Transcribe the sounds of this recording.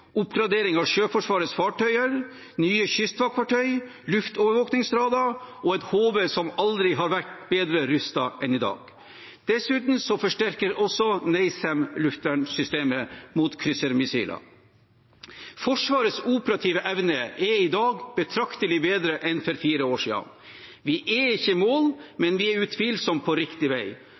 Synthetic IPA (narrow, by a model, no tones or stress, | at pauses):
ʔʊpɡɾɑd̪eːɾɪŋɑʋʃøːfɔʂʋɑːɾət̪sfɑːʈʰœʏəɾ | nyːəçʏst̪fɑkʰʋɑʈʰœʏ | lʉft̪oːʋəɾʋoːknɪŋsd̪ɾɑːd̪ɑɔɛt̪hoːʋəsɔmɑld̪ɾɪɦɑɾʋæʈbeːd̪ɾəɾʉst̪ɑʔɛnɪd̪ɑ̰ːɡ | d̪̥ɛsʉːt̪n̩sɔfɔʂʈæɾkəɾɔsɔnɛɪsɛmlʉft̪ʋæɳsʏst̪eːməmuːt̪kʰɾʏsəɾmɪsḭːlɑ̰ | fɔʂʋɑːɾəsuːpəɾɑt̪ʰiːʋəʔɛʋnəɛɾɪd̪ɑːɡb̥ət̪ʰɾɑkt̪əlɪbeːd̪ɾəʔɛnfɔɾfiːɾəoːʂḭːɑ̰n | ʋɪʔɛɪçːəmoːlmɛnʋɪɛɾʉt̪ʰʋiːlsɔmpʰɔɾɪkt̪ɪʋæɪ